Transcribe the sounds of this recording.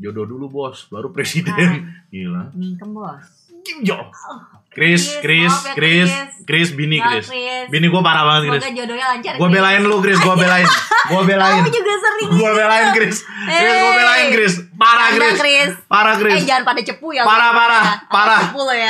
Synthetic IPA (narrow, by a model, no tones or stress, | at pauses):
d͡ʒodɔdulubɔsbaɾupɾesidɛnḭla̰kəbɔs | d͡ʒɔ | kɾɪskɾɪskɾɪskɾɪsbinikɾɪsbiniɡuapaɾahbaŋət̪̚kɾɪsd͡ʒdaɡuabelaɪnlʊkɾɪs̬ɡuabelaɪnɡuabelaɪnd͡ʒuɡasəɾɪɡuabelaɪnkɾɪskɾɪsɡuabelaɪnkɾɪspaɾakɾɪsɾspaɾakɾɪsd͡ʒaanpadat͡ʃəpujapaɾapaɾapaɾapulj